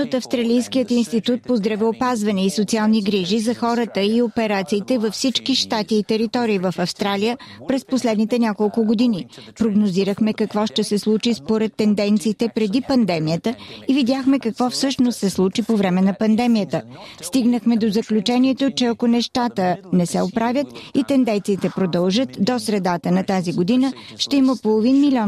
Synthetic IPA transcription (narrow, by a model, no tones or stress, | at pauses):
ot̪ɐfst̪ɾɐlijskijət̪inst̪it̪ut̪̚pozd̪ɾɐvɛopazvɐnɛisot̪sialˠniɡɾiʒizɐxɔɾət̪əiopɛɾat̪siːt̪ɛvɐfsit͡ʃkiʃt̪at̪iːt̪ɛɾit̪ɔɾiːvəfɐfst̪ɾalijə | pɾɛsposlɛd̪nit̪ɛnʲakolˠkʊɡod̪inipɾoɡnoziɾəxmɛkɐkvɔʃt̪ɛsɛslˠut͡ʃispoɾɛt̪ːɛnd̪ɛnt̪siːt̪ɛpɾɛd̪ipɐnd̪ɛmijət̪əivid̪ʲjaxmɛkɐkvɔfsɤʃnost̪sɛslˠut͡ʃipovɾɛmɛnɐpɐnd̪ɛmijət̪əst̪iɡnəxmɛd̪ozəklʲut͡ʃɛniɛt̪ot͡ʃɛɐkonɛʃt̪at̪ənɛsɛ̰opɾavʲjət̪it̪ɛnd̪ɛnt̪siːt̪ɛpɾod̪əlˠʒət̪d̪osɾɛd̪at̪ənɐt̪aziɡod̪inəʃt̪ɛiməpolˠovinmilʲiɔ